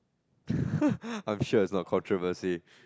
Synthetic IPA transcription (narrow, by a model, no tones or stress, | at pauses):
ãj̃mʃuɪtsnɔt̚kʰɔ̃ntʰɹɔvəsi